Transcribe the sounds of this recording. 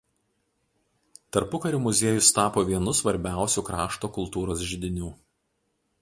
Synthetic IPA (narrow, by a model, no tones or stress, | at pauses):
t̪ɐɾpʊkɐɾʲuːmʊzʲeɛjʊst̪ɑːpoːʋʲiɛnʊsʋɐɾʲbʲæˑʊsʲuːkɾɑːʃt̪oːkʊlˠt̪uːɾoːs̬ʒʲɪd̪ʲɪnʲuː